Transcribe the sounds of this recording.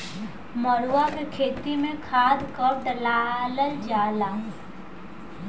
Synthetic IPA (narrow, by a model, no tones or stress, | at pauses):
məɽuwakekʰeːt̪imẽkʰaːd̪kəp̚ɖəlaːləld͡ʒaːla